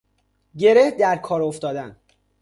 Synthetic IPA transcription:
ɟe̞ɾehd̪æɾkʰɒːɾo̞ft̪ɒːd̪æn

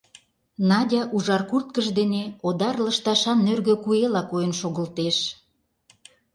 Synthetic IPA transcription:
nɑdʲɑʔuʒɑrkurt̪̚kəʃd̪eneod̪ɑrləʃt̪ɑʃɑnːørɣø̆kuelɑkojənʃoɣə̆lt̪eʃ

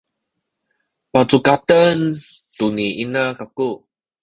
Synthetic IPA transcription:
pat͡sukatən | tuniʔinakaku

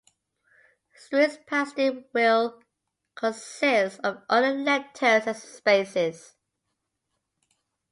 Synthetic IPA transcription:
sɪspʰastɪwɪlˠ | kʰə̃nsɪstəvʔʌləlɛd̚tʰəzəspeɪsɪz̥

